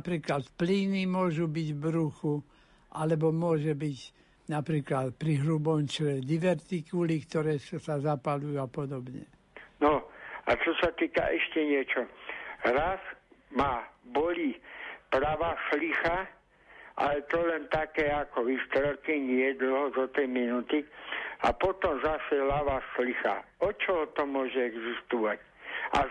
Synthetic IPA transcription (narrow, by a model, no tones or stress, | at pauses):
pɾiːklat̪pliːnimʊɔʒubiɟbɾuxu | ʔalɛbɔmʊɔʒɛbiɟ | napɾiːklat̪pɾiɦɾubɔmt͡ʃɛd̪iʋɛɾt̪ikulikt̪ɔɾɛːssazapalujuapɔd̪ɔbɲɛ̰ | nɔʔa̰t͡ʃɔsat̪iːka̰ʔɛʃcɛɲɪɛt͡ʃɔɾasmabɔlipɾaʋaslixa | ʔa̰lɛt̪ɔlɛnt̪akɛːakɔʋist̪ɾɛlkiɲɪɛd̪l̩ɦɔzɔt̪iminut̪ia̰pɔt̪ɔmzasɛlaʋaslixa̰ɔt͡ʃɔɦɔt̪ɔmʊɔʒɛɛɡzist̪uʋac | ʔa̰